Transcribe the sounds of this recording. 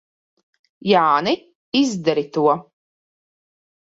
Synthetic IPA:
jaːnɨ | izd̪aɾit̪uɔ

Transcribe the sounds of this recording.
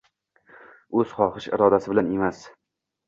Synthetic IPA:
ɵz̥χɒχɪʃɪ̰ɾɒd̪asɪbɪlane̞mas

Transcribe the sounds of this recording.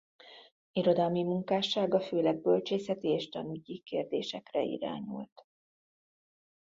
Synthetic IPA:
iɾo̞d̪ɒlmimuŋkaːʃaːɡɒføːlɛɡ̚bølt͡ʃeːsɛt̪ieːʃt̪ɒnyɟikeːrd̪eːʃɛkrɛḭɾa̰ːɲṵlt̪

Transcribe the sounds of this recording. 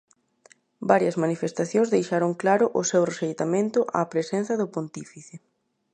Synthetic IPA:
baɾjɐzmanifest̪aθjõnzðejʃaɾoŋklaɾʊʔʊsewresejt̪amẽnt̪ʊʔa̰ːpɾesen̟θɐðʊpont̪ifiθɪ

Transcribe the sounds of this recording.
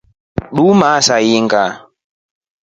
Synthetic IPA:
ɗumasajiŋɡa

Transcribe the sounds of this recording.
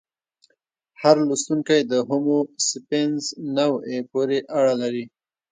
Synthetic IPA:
haɾlust̪uŋkajd̪əɦʊmosɪpenznawepoɾeʔaɽalaɾi

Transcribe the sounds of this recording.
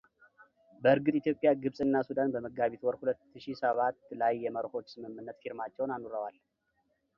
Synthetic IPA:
bəɨɾɡɨt̪ʼit̪jo̞pʼjaɡɨβsʼɨnːasud̪anbəməɡːaβit̪wɔɾhulət̪ːɨʃisəβat̪ːlajːɛməɾho̞t͡ʃːsɨmɨmːɨnːət̪fiɾmat͡ʃːɛwnanuɾəwal

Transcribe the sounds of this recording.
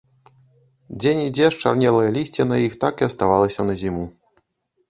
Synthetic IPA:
d͡zʲenʲid͡zʲɛʂt͡ʂa̰rnʲɛlˠɐjɐlʲisʲt͡sʲɛnɐjixt̪akiɐst̪avalˠɐsʲɐnɐzʲimu

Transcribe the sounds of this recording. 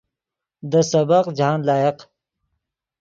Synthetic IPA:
d̪əsɐbɐqd͡ʑaːnlaːjɐq

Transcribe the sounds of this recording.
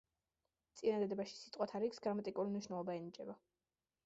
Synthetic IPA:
t̪sʼinad̪ad̪ɛbaʃi̥sit̪ʼqʼwat̪ʰaɾiksɡɾamat̪ʼikʼuɾimniʃnɛlˠɔbaɛnid͡ʒʼɛba

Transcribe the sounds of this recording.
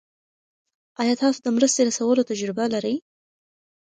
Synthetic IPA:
ɑjɑt̪ɑsod̪əmɾəst̪eɾasawəlot̪ad͡ʒɾɪbalaɾəj

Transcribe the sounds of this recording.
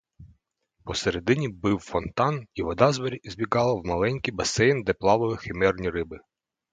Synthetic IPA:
pɔseɾed̪ɪnʲibɪwfɔnt̪ɑniʋɔd̪ɑzbɐɾʲiizʲbʲikɑlˠɐwmɐlˠɛnʲkʲibɐsɛjnd̪ɛplˠɑʋɔj̪ˠɪxɪmɛrnʲiɾɪbɪ

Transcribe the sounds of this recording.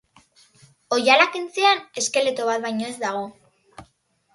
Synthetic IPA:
o̞jalakint͡siane̞ske̞le̞t̪oβ̞at̪̚βajɲo̞e̞zd̪aɣ̞o̞

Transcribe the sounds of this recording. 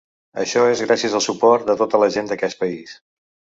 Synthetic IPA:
ə̰ʃɔezɣɾasiəzəlˠsupɔrt̪̚d̪ət̪ot̪ələʒend̪əkɛst̪̚pəis

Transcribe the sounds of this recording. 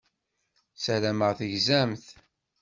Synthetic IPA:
sæɾæməʁθəʝzæmθ

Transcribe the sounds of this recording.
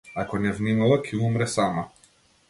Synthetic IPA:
akɔnɛvnimalˠakʰɛumɾɛsama

